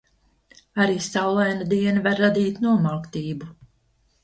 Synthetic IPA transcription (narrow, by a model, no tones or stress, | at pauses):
aɾiːsawlˠajnad̪iɛnavaɾːad̪iːt̪nuɔmalkt̪iːbu